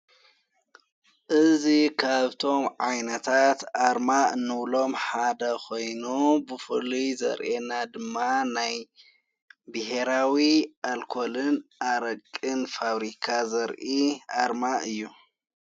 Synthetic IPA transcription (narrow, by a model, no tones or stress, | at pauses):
ʔɨzikʰaβt̪ʰo̞mʕajnɐt̪ʰat̪ʔaɾmanɨβlo̞mħad̪ɐkʰo̞jnubɨfɨ̰lujzɐ̰ɾʔenad̪ɨmːanaj | bɨhe̞ɾawiʔalkʰolɨnʔaɾɐkʼːɨnfaβɾikʰazɐɾʔiʔaɾmaʔɨjːu